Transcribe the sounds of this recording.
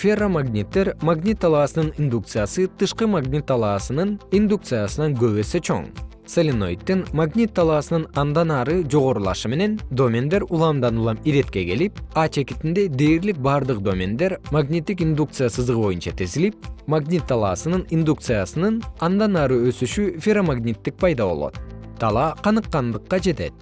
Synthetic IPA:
fʲeromaɡnʲit̪ːe̞ɾmaɡnʲit̪ːalˠaːsɯnɯnind̪uk̚t̪sɨjasɯt̪ʰɯʃqɯmaɡnʲit̪ːalˠɑːsɯnɯnind̪uk̚t̪sɨjasɯnɑŋɡø̞βese̞t͡ʃʰo̞̰ŋ | selʲino̞̰jt̪ːinmaɡnʲit̪ːalˠaːsɯnɯnɑnd̪ɑnɑɾɯd͡ʒo̞ʁo̞ɾulˠɑ̰ʃɯme̞ne̞nd̪o̞mʲend̪e̞ɾulˠɑmd̪ɑnulˠɑmiɾe̞t̪ke̞ke̞lip̚ɑt͡ʃe̞kit̪ind̪e̞d̪e̞ːɾlik̚bɑɾd̪ɯq̚d̪o̞mʲend̪e̞ɾmaɡnʲit̪ːik̬ind̪uk̚t̪sɨjasɯzd̪ʁbo̞junt͡ʃɑt̪ʰe̞zilip̚maɡnʲit̪ːɑlˠɑːsɯnɯnind̪ukt̪sɨjasɯnɯnɑnd̪ɑnɑɾɯø̞syʃyfʲeɾomaɡnʲit̪ːik̚pʰɑjd̪ɑβo̞̰lˠo̞̰t̪̚t̪ʰːɑlˠɑqʰɑnɯqːɑnd̪ɯqːɑd͡ʒe̞t̪e̞t̪̚

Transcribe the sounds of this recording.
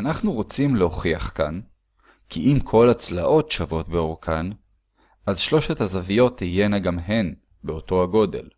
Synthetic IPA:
anaχnuʁo̞t͡simleɦo̞χiaχkan | kʰiʔimkʰo̞lat͡slaʔo̞tʃavo̞tbe̞oʁkʰan | ʔazʃlo̞ʃethazavijo̞tːije̞naɡamɦe̞n | beo̞to̞haɡo̞de̞̰l

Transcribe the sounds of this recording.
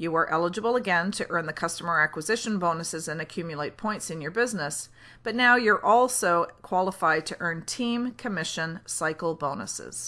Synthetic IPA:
jɨə˞ʔɛlˠəd͡ʒɨbl̩ˠəɡɛ̃ntʰɨʔɜ̃˞nðɨkʰʌstəmə˞ækwɨzɪʃɨ̃nbõʊ̃nɨsɨzɨ̃nɨkʰj̥ʉmjɨlˠeɪt̚pʰɔ̃ɪ̃ntsɨ̃njə˞bɪznəs | b̥ʌtⁿnaʊjə˞ʔɔlˠsoʊkʰw̥ɑlˠəfaɪd̚tʰɨʔɜ̃˞ntʰĩmkʰɨmɪʃɨ̃nsaɪkl̩ˠbõʊ̃nə̰sɪ̰z̥

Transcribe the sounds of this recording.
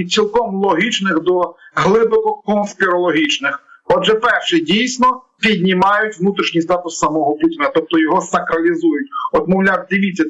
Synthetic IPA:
sʲilˠkɔmlˠɔɦʲit͡ʃnɪxd̪ɔɦlˠɪbɔkɔkɔnspʲɪɾɔlˠɔɦʲit͡ʃnɪxɔdʒɛpɛrʃɪjdʲijsʲnɔ | pʲid̪ʲnʲimɑjʊtʲʋnut̪ɾʲiʃɲʲijst̪ɑt̪ʊsːɐmɔɦɔputʲɪnɐt̪ɔp̚t̪ɔjɔɦɔsɐkɾɐlʲizujʊtʲɔt̪mɔwlʲawd̪ɪʋʲit͡sʲːɐ

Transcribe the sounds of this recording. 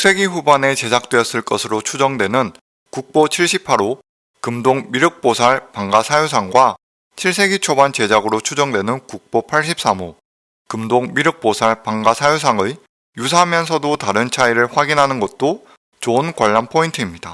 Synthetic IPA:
s͈ʰe̞ɡeɸubane̞t͡ɕe̞sʰak̚t͈we̞jʌs͈ɯɭk͈ʌsʰɯɾot͡ɕʰud͡ʑʌŋdwe̞nɯn | kuk̚p͈ot͡ɕʰiɭɕ͈ʰipʰaɾo | kɯmdoŋmiɾɯk̚p͈osʰaɭpaŋɡasʰajosʰaŋɡwa | t͡ɕʰiɭs̬͈ʰe̞ɡit͡ɕʰobant͡ɕe̞d͡ʑaɡɯɾot͡ɕʰud͡ʑʌŋdwe̞nɯnkuk̚p͈opʰaɭɕ͈ip̚s͈amo | kɯmdoŋmiɾɯk̚p͈osʰaɭpaŋɡasʰajos̬ʰaŋɯ | jus̬ʰaɦmjʌns̬ʰʌdotaɾɯnt͡ɕʰaiɾɯɭɸwaɡinɦanɯnɡʌt̚t͈o | t͡ɕonkwaʎːanpʰointʰɯimɲida

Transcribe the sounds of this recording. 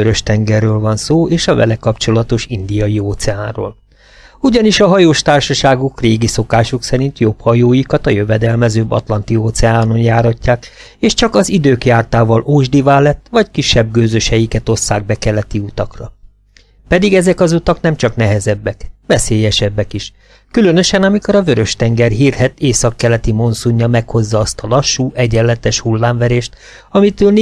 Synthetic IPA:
øɾø̞ʃt̪ɛŋɡɛrːøːlvɒnsoːeːʃɒvɛ̰lɛkɒpt͡ʃo̞lɒt̪oʃind̪ijɒjioːt̪sɛaːnro̰ːl | uɟɒniʃɒɦɒjoːʃt̪aːrʃɒʃaːɡukreːɡiso̞kaːʃuksɛɾint̪jo̞phɒjoːjikɒt̪ɒjøvɛd̪ɛlmɛzøːbːɒ̰t̪lɒnt̪ioːt̪sɛaːno̞njaːɾɒcːaːk | eːʃt͡ʃɒkɒzid̪øːkjaːrt̪aːvɒlʔoːʒd̪ivaːlɛt̪ːʋɒckiʃːɛbɡøːzøʃɛjikɛt̪o̞sːaːɡ̚bɛkɛlːɛt̪iut̪ɒkrɒ | pɛd̪iɡɛzɛkɒzut̪ɒknɛmt͡ʃɒknɛɦɛzɛbːɛkʋɛseːjɛʃɛbːɛkiʃ | kylønø̞ʃɛnɒmiko̞ɾɒvøɾø̞ʃt̪ɛŋɡɛrɦiːrhɛt̪eːsɒkːɛlɛt̪imo̞nsuɲːɒmɛkho̞zːɒːst̪ɒlɒʃːuːʔɛɟɛlːɛt̪ɛʃhulːaːɱvɛɾeːʃt̪ | ɒmit̪øln

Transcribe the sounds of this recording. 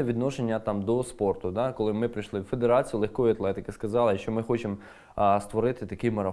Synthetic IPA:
ɛʋʲid̪nɔʃenʲːɐt̪ɑmd̪ɔspɔrt̪ʊd̪ɑkɔlˠɪmɪpɾɪjʃlˠɪwfe̞d̪eɾɑt͡sʲijʊlˠexkɔjʊɐt̪lˠɛt̪ɪkɪskɐzɑlˠɪʃt͡ʃɔmɪxɔt͡ʃem | st̪ʋɔɾɪt̪ɪt̪ɐkɪjmɐɾɐ

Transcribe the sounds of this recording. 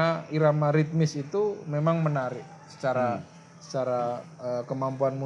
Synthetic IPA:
aiɾamaɾit̪̚mɪsit̪umemaŋmənaɾɪʔ | sə̥t͡ʃaɾa | sə̥t͡ʃaɾaəkəmampuanmu

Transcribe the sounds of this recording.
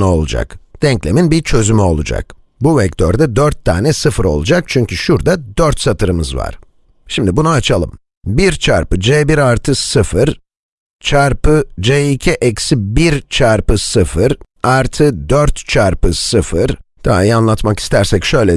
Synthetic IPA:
ao̞̰lˠṵd͡ʒa̰kd̪̥ɛɲclʲeminbiɾt͡ʃʰø̞zymyo̞̰lˠṵd͡ʒa̰k | buvɛc̚t̪ʰøɾd̪ɛd̪øɾt̪ʰːa̰ːnɛsɯfɯɾo̞̰lˠud͡ʒak̚t͡ʃʰyɲcʰyʃuɾd̪ad̪øɾt̪sat̪ʰɯɾɯmɯzva̰ɾ̥ | ʃimd̪ibunaat͡ʃʰalˠɯm | biɾt͡ʃʰaɾpɯd͡ʒeːbiɾaɾt̪ʰɯsɯfɯɾ | t͡ʃʰaɾpɯd͡ʒeicʰiʔɛcsibiɾt͡ʃʰaɾpɯsɯfɯɾ | aɾt̪ʰɯd̪øɾt̪t͡ʃʰaɾpɯsɯfɯɾd̪̥ʰa̰a̰jianlˠat̪maki̥st̪æɾsɛcʃø̞jlʲɛ

